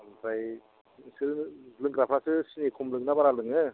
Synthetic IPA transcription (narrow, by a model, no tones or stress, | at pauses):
zaj | siɾɯlɯŋɡɾapʰasɯsinekʰumlɯŋnabaɾalɯŋɯ